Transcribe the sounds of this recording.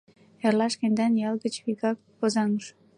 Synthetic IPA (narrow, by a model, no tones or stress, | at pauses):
erlɑʃkenʲd̪ɑnjɑlˠɡət͡ɕβikɑk̚pozɑŋəʃ